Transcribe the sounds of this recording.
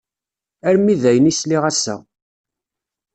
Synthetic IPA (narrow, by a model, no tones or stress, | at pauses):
æɾmiðæjənisliʁæsːæ̰